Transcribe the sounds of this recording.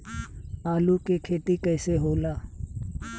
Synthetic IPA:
aːlukekʰeːt̪ikɛːseɦoːlaː

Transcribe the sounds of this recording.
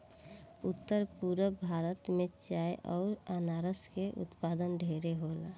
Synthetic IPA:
ʊt̪ːəɾpuɾəbʱaːɾət̪mẽt͡ʃaːjʔɔːɾənaːɾəskeʔʊ̰t̪paːd̪ənɖʱeːɾeɦola

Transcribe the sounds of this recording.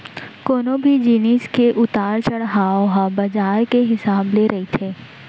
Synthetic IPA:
koːnobʱid͡ʒiːniːskeʔʊt̪aːɾt͡ʃɐɽɦaːoɦabɐd͡ʒaːɾkeɦɪsaːbleɾʔɐɦit̪ʰeː

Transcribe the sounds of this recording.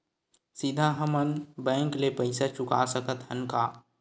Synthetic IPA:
sid̪ʱaɦəmənbɛ̃ːŋklepɐɪsat͡ʃʊka̰səkət̪ɦənkaː

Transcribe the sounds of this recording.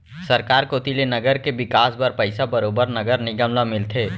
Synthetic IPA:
səɾkaːɾkoːt̪ilenəɡəɾkebɪkaːsbəɾpəɪsabəɾoːbəɾnɐɡəɾnɪɡəmlamɪlt̪ʰeː

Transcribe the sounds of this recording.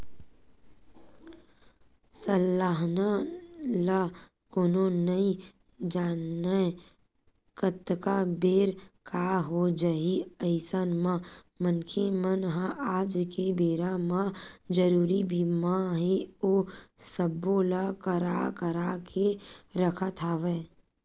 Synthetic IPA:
səlːaːɦnala | koːnonəĩ | d͡ʒaːnə | kət̪kabeːɾkaɦod͡ʒəɦiəɪsənmã | mənkʰemənɦãʔaːd͡ʒkebeːɾamãd͡ʒəɾuːɾibimãɦeoːsəbːoːlakəɾakəɾakʰeɾəkʰat̪ʰaːʋeː

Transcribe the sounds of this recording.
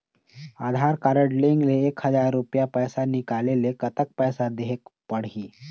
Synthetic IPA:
aːd̪ʱaɾkaɾəʈleŋɡleeːkhəzaɾːupjapəjsanikalelekət̪ək̚pəjsad̪eɦekpəɽ̤iː

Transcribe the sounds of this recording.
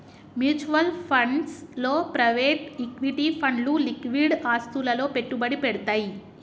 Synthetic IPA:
mjuːt͡ʃuʋɐlpʰɐɳɖslo̞ːpɾɐjʋeːʈikʋiʈipʰɐɳɖlulikʋiɽaːst̪ulɐlo̞ːpe̞ʈːubɐɽipɛɽut̪aːji

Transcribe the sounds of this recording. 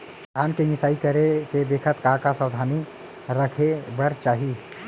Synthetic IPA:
aːmkemɪsaːikəɾekebeːkʰət̪kaːkasəwd̪ʱaːni | ɾəkʰebəɾt͡ʃaːɦi

